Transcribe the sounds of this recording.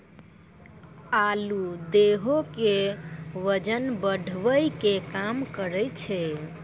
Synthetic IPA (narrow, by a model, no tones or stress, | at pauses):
alud̪eɦokeʋəd͡ʒənbəɖʱʋəjkekamkəɾəjt͡ʃʰɛ